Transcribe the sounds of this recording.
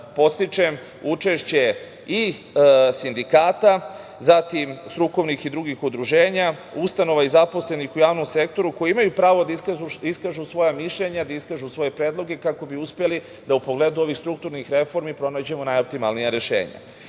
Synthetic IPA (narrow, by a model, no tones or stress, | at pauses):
po̞t̪st̪it͡ʂe̞m | ut͡ʂe̞ʃt͡ɕe̞ | i | sind̪ikaːt̪azat̪imst̪ɾuko̞ʋnixid̪ɾuɡixud̪ɾuʒe̞ːɲa | ust̪ano̞ʋaizapo̞sle̞nixujaːʋnomse̞kt̪o̞ɾuko̞jiimajupɾaːʋo̞d̪aiaiskaːʒusʋo̞jamiʃʎeɲad̪aiskaːʒusʋo̞je̞pɾe̞ːd̪lˠo̞ɡe̞kako̞biuspieli | d̪aupoɡle̞ːd̪uo̞ʋixst̪ɾuk̚t̪uɾnixɾe̞fo̞ɾmipɾo̞naːd͡ʑe̞monajop̚t̪imalˠnijaɾe̞ʃḛːɲa̰